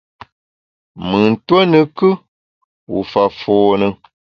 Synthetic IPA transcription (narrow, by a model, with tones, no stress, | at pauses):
mɨ˨n̩˨twə˦nɨ˨kɨ˦ | wṵ˨fa˨foː˨nɨ˨